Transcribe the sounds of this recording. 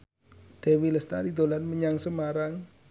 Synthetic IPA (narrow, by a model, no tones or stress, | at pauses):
d̪̥ewiləst̪aɾid̪olanməɲaŋsəmaɾaŋ